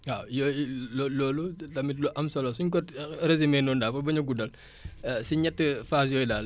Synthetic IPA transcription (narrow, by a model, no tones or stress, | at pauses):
ajɔlɔlɔːlutɐmitluʔɐmsɔlɔsuɲkɔtrezimɛːnɔːndaːfɐbɐɲɐɡudɐl | siɲɛtːəfaːs̬jɔːjlal